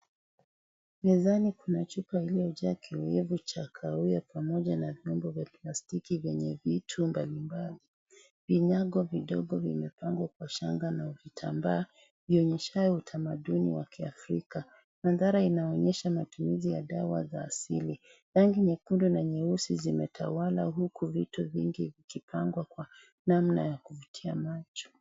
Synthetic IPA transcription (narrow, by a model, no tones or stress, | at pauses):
mɛzanikunat͡ʃupailijɔʄaakʰiwɛvut͡ʃakʰaujapʰamɔʄanavjɔmbɔvjaplastikivjɛɲɛvitʰumbalimbali | viɲaɡɔviɗɔɡɔvḭmɛpaŋɡwakwaʃaŋɡanauvitʰa̰mbaː | viɔɲɛʃajɔutʰamaɗunḭwakʰiafɾika | maðaɾainaɔɲɛʃamatumizijaɗawa̰zaːsili | ɾaŋɡiɲɛkundunaɲɛusizimɛtʰa̰wala̰ɦukʰuvituviŋɡivikipʰaŋɡwakwa | namnajakuvutʰiamat͡ʃɔ̥